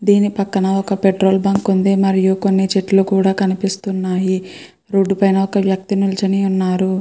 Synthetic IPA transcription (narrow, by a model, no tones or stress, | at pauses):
d̪iːnipɐkːɐnɐɔkɐpeʈɾo̞ːlbaːŋkund̪eːmɐɾijuko̞nːit͡ʃeʈːlukuːɽaːkɐnipist̪unːaːji | ɾoːɖːupɐjnɐɔkɐʋjɐk̚t̪inult͡ʃɐniunːaːɾu